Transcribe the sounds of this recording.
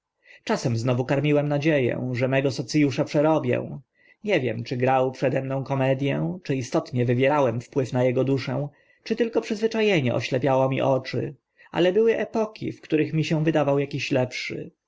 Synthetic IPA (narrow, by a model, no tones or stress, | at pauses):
t͡ʂasɛmznɔvukaɾmʲiwɛmnad͡ʑejɛ̰̃ʐɛmɛɡɔsɔt̪sɨjuʂapʂɛɾɔbʲjɛ̰̃ | ɲɛvʲjɛmt͡ʂɘɡɾawpʂɛd̪ɛmnɔ̃w̃kɔmɛd̪ʲjɛ̃t͡ʂɘist̪ɔt̪ɲɛvɘvʲjɛɾawɛmfpwɘfnajɛɡɔd̪uʂɛ̃w̃ | t͡ʂɘt̪ɘlkɔpʂɘzvɘt͡ʂajeɲɛ̰ʔɔ̰ɕlɛpʲjawɔmʲḭʔɔt͡ʂɘ̰ | a̰lɛbɘwɘʔɛpɔkʲʰḭfkt̪uɾɘxmʲiɕɛw̃vɘd̪avawjakʲiɕlɛpʂɘ̰